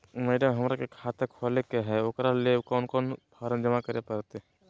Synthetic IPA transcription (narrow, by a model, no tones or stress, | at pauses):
mɛːɖəmɦɐmɾakekʰaːt̪ekʰɔlekeɦɛoːkɾalekɔːnkɔːnpʰaːɾənd͡ʒəmakəɾepɐɾt̪e